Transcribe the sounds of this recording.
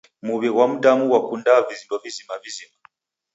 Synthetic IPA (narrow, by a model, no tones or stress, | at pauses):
muβɛɣwamudamuwakundavizidɔvizimavizima